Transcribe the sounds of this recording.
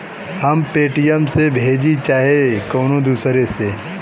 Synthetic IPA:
hɐmpeːʈɪjəmsebʱeːd͡ʒit͡ʃaːɦekoːnod̪uːsɾese

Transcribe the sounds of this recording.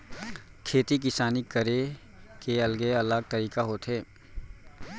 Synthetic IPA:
kʰeːt̪ik̬ɪsaːnikəɾe | keɐlɡeɐləɡ̚t̪əɾiːkaɦoːt̪ɦeː

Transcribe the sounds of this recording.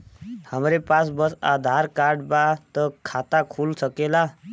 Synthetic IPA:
həmɾepasbəsad̪ʱaɾkaɾɖbat̪əkʰat̪akʰulsəkela

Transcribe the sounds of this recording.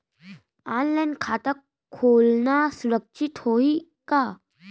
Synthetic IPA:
anlajnkʰat̪ə | olnasuɾəkʃit̪hoi | ka

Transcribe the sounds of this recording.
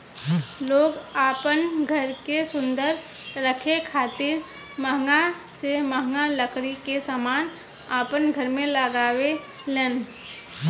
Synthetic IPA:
loːɡaːpənɡʱəɾkesʊ̃nd̪əɾː | əkʰekʰaːt̪ɪɾ | məɦŋɡaseməɦŋɡaləkɾikesaːmaːn | aːpənɡʱəɾmẽləɡaːwe | leːn

